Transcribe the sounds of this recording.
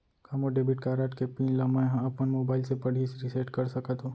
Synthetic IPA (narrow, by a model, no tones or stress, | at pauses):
kamoɖeːbɪʈkaːɾaːʈkepĩːnlɐmãɦãɐpənmoːbaːɪlsepɐɽ̤isɾɪseːʈkɐɾsɐkət̪ɦõː